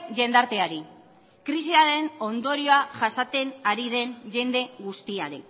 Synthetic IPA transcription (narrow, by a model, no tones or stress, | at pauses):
ʝe̞nd̪aɾt̪e̞aɾi | kɾisiaɾe̞no̞nd̪o̞ɾio̞aʝasat̪e̞naɾið̞e̞nʝe̞nd̪e̞ɣust̪iaɾi